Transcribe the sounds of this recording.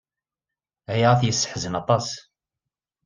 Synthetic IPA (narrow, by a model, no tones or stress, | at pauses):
hæjʁæθjəsːə̥ħzənɑt̪ˤɑs